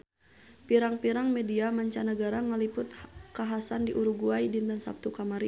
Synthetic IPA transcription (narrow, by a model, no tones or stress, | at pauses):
piɾaŋpiɾaŋmɛdiamaɲt͡ʃanəɡaɾaŋalipʊt̪kaɦasandiʔuɾuɡuajdint̪ənsa̰p̚t̪ukamaɾi